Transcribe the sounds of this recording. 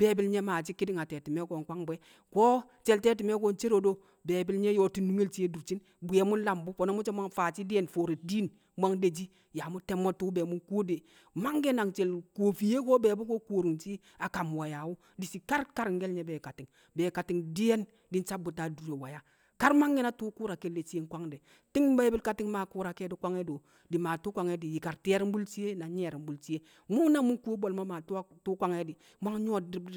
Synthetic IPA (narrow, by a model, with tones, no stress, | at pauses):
b̥e˨˦bi˦lɲe˦maː˨t͡ʃi˦ki˦di˦ŋa˨te˨ti˨me˦ko˨ŋkʷa˦ŋbe˦ | ko˦ | t͡ʃe˨lte˦t̬i˨me˦ko˦˨nt͡ʃe˦ɾo˨do˦ | be˨bi˦lɲe˦jo˦ti˦nu˦ŋe˦lt͡ʃi˦e˦du˨ɾt͡ʃi˦n | bu˨e˨˦mu˦la˨mbu˦fo˨no˦mu˦t͡ʃe˦ma˦ŋfa˨t͡ʃi˦di˦e˦nfoː˨ɾi˨di˦n | mʷa˦ŋde˨d͡ʒi˦ | ja˨mu˦te˦mo˦tu˦be˨mu˦ko˦de˨ | ma˦ŋɡe˦na˨ŋt͡ʃe˨lkoː˨fi˨je˦ko˦be˨bu˦ko˦ko˨ɾu˨ŋt͡ʃi˦ | a˨ka˨m˨wa˨ja˨wu˦ | di˨si˨ka˦ɾka˦ɾŋ̩˦ɡe˦lɲe˨be˨ka˨ti˨ŋ | be˨ka˨ti˨ŋdi˦e˦n | di˦n˦t͡ʃa˦bu˨ta˨du˨ɾe˨wa˨ja˨ | ka˦ɾma˦ŋːi˦na˦tu˦ku˦ɾa˨ke˦le˨t͡ʃi˦e˦ŋ˦kʷa˦ŋde˨ | ti˦ŋ˦ba˦i˦bi˦lka˨ti˦ŋma˨ku˦ɾa˨ke˦di˨˦kʷa˦ŋe˦do˨ | di˨ma˨tu˦kʷwa˨ŋe˦di˨ji˨ka˨ɾti˦e˦ɾm̩˦bu˦lt͡ʃi˦e˦na˨ɲe˦˨ɾm˦bu˨lt͡ʃi˦je˦ | mu˦na˦mu˦ŋku˦o˦bo˨lma˦ma˨tu˦tu˦kʷwa˦ŋe˦di˨ | ma˦ŋ˦ɲ˦o˦di˦